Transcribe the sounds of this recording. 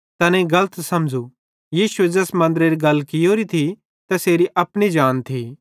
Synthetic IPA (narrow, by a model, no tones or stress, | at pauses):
t̪ɐnẽɡɐlət̪sɐmd͡ʒu | jiːsued͡ʒɐsmɐ̃nd̪əɾeɾiɡɐlːkɪjoːɾit̪ʰi | t̪ɐseːɾiʔɐpɽ̃id͡ʒaːnt̪ʰi